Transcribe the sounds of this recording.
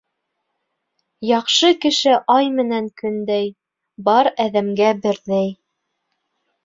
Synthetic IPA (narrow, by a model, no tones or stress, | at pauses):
jɑqʃɤkɘ̆ʃɘʔɑjmɘ̆næŋkɵ̆nd̪æj | bɑɾæðæmɡæbɘ̆ɾðæj